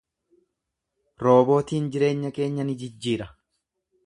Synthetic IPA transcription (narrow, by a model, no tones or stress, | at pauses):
ɾo̞ːbo̞ːt̪iːnd͡ʒɪɾe̞ːɲːɐke̞ːɲːɐnɪd͡ʒɪd͡ʒːiːɾɐ